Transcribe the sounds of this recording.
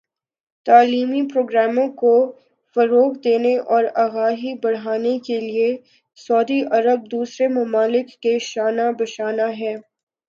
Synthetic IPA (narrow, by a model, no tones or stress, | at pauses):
t̪aːliːmipɾoːɡɾaːmõko | fɐɾoːɣd̪eːneʔɔːɾaɣaːɦibɐɽ̤aːnekelie | sɔːd̪iʔɐɾəb̚d̪uːsɾemʊmaːlɪkːeʃaːnabɐʃaːnaɦɛː